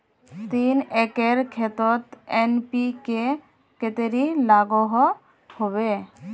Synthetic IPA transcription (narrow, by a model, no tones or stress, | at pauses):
t̪inɛkeɾkʰet̪ɔt̪enpike | ket̪eɾilaɡɔɦɔ | hoβe